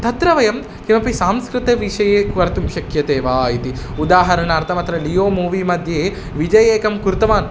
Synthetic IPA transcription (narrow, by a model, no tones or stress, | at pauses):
t̪ɐt̪ɾɐʋɐjɐm | kimɐpisaːmskɾɨt̪ɐʋiʃɐjeːkʋɐɾt̪umʃɐkjɐt̪eːʋaːit̪iud̪aːɦɐɾɐnɐːɾt̪ʰɐmɐt̪ɾɐlijoːmuːʋimɐd̪ʱjeː | ʋid͡ʒɐjeːkɐmkuɾt̪ɐʋaːn